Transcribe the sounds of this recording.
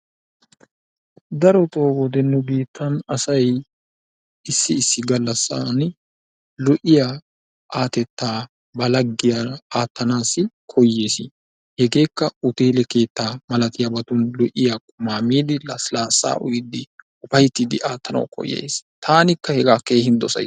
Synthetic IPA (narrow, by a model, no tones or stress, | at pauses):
d̪ɐɾɔt̪ʼo̞ːɡɔd̪ɛnːɛbiːt̪ʰːɐnɐsɐj | ɪsːɪɪsːɪɡɐlːɐsːa̰n | lɔʔɪja | ʔaːt̪ɛt̪ːaː | bɐlɐɡːɪjaaːt̪ːɐnaːsɪkʰɔjːe̞ːsɪ | hɛɡe̞ːkːɐʊt̪eːlɛke̞ːt̪ːaːmɐlɐt̪ɪjabɐt̪ʊnlɔʔɪjakʼʊmaːmiːd̪ɪlɐslaːsːa̰ːʔʊ̰jɪd̪ɪ | ʊfɐjt̪ːid̪ɪʔaːt̪ːɐnɐ̰wkʰɔ̰jːḛst̪ʰaːnɪkːɐhɛɡaːke̞ːhɪnd̪ɔsɐ̰